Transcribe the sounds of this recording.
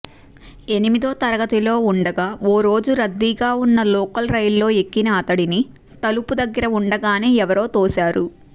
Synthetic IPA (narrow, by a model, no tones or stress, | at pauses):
e̞nimid̪o̞ːt̪ɐɾɐɡɐt̪ilo̞ːuɳɖɐɡaːoːɾo̞ːd͡ʒuɾɐd̪ːiɡaːunːɐlɔːkɐlɾɐjllo̞ːe̞kːinaːt̪ɐɽini | t̪ɐlupud̪ɐɡːɐɾɐuɳɖɐɡaːneːɛʋɐɾo̞ːt̪oːsaːɾu